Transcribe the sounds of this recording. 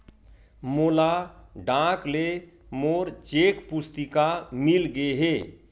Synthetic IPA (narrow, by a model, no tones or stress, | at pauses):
molaɖãkle | moːɾt͡ʃekpʊst̪ikamilɡeɦe